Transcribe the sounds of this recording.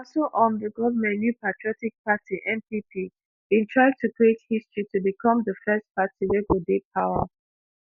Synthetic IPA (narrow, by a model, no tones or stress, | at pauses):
ɔsoʔɔ̃nðəɡɔvəmɛ̃nnjupatʰɹiɔtik̚patʰiʔɛ̃mpipʰi | b̥ĩntʰɹaɪd̚tʰukɹiethistɹ̥itʰubikʰɔ̃mðəfɛst̚pʰatiwɛɡodepʰaʊwə